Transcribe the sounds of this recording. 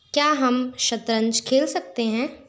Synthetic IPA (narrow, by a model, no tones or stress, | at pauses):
kjaːɦɐmʃɐt̪ɾə̃ɲd͡ʒkʰeːlsɐk̚t̪eɦɛ̃ː